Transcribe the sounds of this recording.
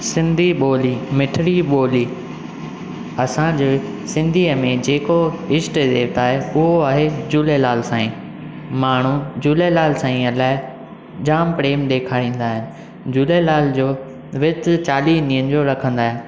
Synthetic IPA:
sɪ̃nd̪ʱiɓoːlimɪʈʰɪɽiɓoːliː | ɐsãd͡ʑeː | sɪ̃nd̪ʱiːəmẽd͡ʑeːkoɪsʈd̪eːʋt̪aːɦeʊɦoaːɦed͡ʑuːlelaːlsãːĩː | maːɳ̤ud͡ʑuːlelaːlsãːĩɐlaːɪ | d͡ʑaːmpɾeːmɗ̪eːkʰaːɽ̃ĩːn̆d̪aːɦɪnɪ̆ | d͡ʑuːlelaːld͡ʑoː | ʋɪt̪t͡ɕaːliːniːənɪ̆d͡ʑoɾɐkʰə̃nd̪aːɦɪnɪ

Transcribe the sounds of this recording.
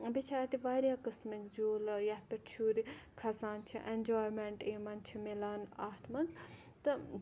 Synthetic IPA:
bit͡ʃʰaːɾt̪iʋaːɾijaːkɨsmikd͡ʒoːljɐpɐt͡ʃʰuːɾikʰɐsaːnt͡ʃʰiʔend͡ʒoːjmeɳʈeːmɐnt͡ʃʰimilaːnaːɦt̪mɐnz | t̪ɨ

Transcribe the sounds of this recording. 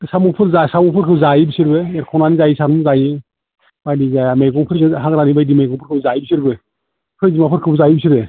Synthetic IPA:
samupʰɯɾzasamɔpʰɯɾkʰɯzajibisiɾbeɛɾkʰɔnanizajisaɾmuzaji | bajdizajamejɡɔŋpʰɯɾɦaŋɾanibajdimajɡɔŋpʰɯɾkʰɯbzajbisiɾbe | pʰɯɾzimapʰɯɾkʰɯbzajibisiɾbe

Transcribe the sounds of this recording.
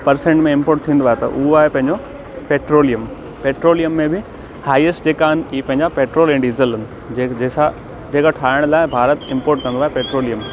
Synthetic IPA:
pɐɾsẽɳʈmẽɪ̃mpoːɾʈt̪ʰĩːn̆d̪aːɦet̪ɐ̰ʔʊɦoaːɦepɐ̃ɦɪ̃ɲd͡ʑo | peːʈɾoːlijəm | peːʈɾoːlijəmːẽbɪ | haːiəsʈd͡ʑeːkaːɦɪnɪ̆iːpɐ̃ɦɪ̃ɲd͡ʑapeːʈɾoːlẽɳɖizəlʊnɪ̆ | d͡ʑed͡ʑeːsa | d͡ʑeːkaʈʰaːɪɽ̃laːɪbʱaːɾət̪ɪ̃mpoːɾʈ̚kɐ̃nd̪aːɦepeːʈɾoːlijəm

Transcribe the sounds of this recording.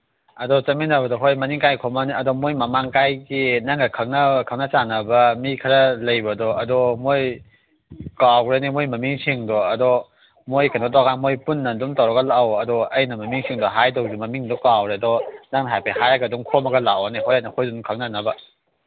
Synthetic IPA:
ɐdɔt͡ʃɐminɐbɐdɔɦojmɐniŋkajkʰɔmɐniɐdɔmojmɐmaŋkajɡinaŋɡɐkʰɐk̚nɐkʰaknɐt͡ʃanɐbɐmikʰɐɾɐlɐjbɐdɔɐdɔmoj | kawɾenimojmɐmiŋsʰiŋdɔɐdɔ | mojkʰandɔdɔkʰanmojpunːɐdumtawɾɐɡɐlawɐdɔɐjnɐmɐmiŋsʰiŋdɔɦajdɔwzumɐmiŋdɔkawɾedɔnaŋnɐɦajpehajaɡɐduŋkʰomɐɡɐlawaneɦojanɐhojzunkʰak̚nɐnɐbɐ

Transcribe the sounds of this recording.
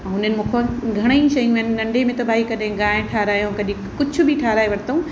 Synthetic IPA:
ɦʊnənɪ̆mũkʰõɡʱɐɽ̃eiʃɐjũɐnnɐ̃ɳɖemẽt̪obʱaːikɐɗẽɡãːẽʈʰaːɾaːjõkɐɗĩ | kʊt͡ʃʰʊ̆bʱiʈʰaːɾaːeʋɐɽt̪oũ

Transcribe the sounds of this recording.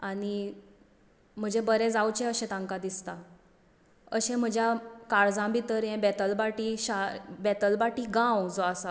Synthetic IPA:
aɽi | m̤əd͡ʑebəɾɛ̃d͡zawt͡ɕẽəɕɛ̃t̪ãŋkad̪ist̪a | əɕɛ̃m̤əd͡ʑʱjakaɽd͡zãbʱit̪əɾjɛ̃bɛt̪əlbaʈiɕabɛt̪əlbaʈiɡãwd͡zoasa

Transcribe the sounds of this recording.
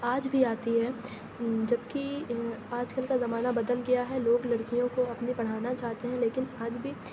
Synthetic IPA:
aːd͡ʒbʱiaːt̪iɦɛː | d͡ʒɐbkiaːd͡ʒkəlkazɐmaːnabɐd̪əlɡɐjaɦɛloːɡlɐɽkijõkoɐpnibɐɽ̤aːnat͡ʃaːɦt̪eɦɛ̃leːkɪnaːd͡ʒbʱi

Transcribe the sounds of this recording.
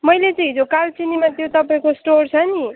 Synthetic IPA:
mʌjlet͡sʌ̃ĩd͡zokalt͡sinimat̪jot̪ʌpaĩkosʈort͡sʰʌni

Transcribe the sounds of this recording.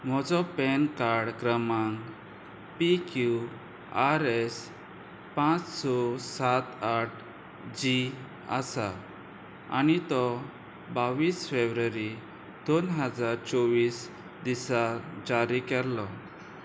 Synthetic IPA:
m̤ɔd͡zɔpɛnkaɾɽkɾəmaŋɡ | pikju | aɾes | pãt͡ssɔsat̪aʈ̚ʰ | d͡ʑi | ə̰sa | a̰nit̪ɔ | baʋiːsfebɾəɾi | d̪onɦəd͡zaɾt͡sɔʋiːs | d̪isad͡ʑaɾikɛɾlɔ

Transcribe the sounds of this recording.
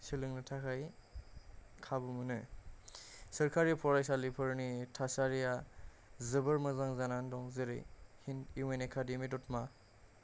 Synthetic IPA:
silɯŋnɯtʰakʰaj | kʰabumɯnɯ | sɯɾkʰaɾijapʰɔɾajsalipʰɯɾnitʰasaɾija | zɯbɯɾmɯzaŋzanandɔŋzɯɾɯ̰jhiniwenekʰademidɔtma

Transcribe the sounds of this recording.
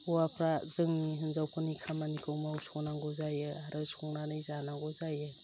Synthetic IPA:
uwapʰɾazɯŋiɦɯnzawpʰɯnikʰamanikʰɯwmawsɔnaŋɡɔzajɯaɾɯsɔŋnanɯjzanaŋɡɔzajɯ

